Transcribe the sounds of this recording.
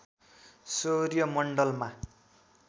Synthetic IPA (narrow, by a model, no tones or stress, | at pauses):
sorjʌmʌɳɖʌlma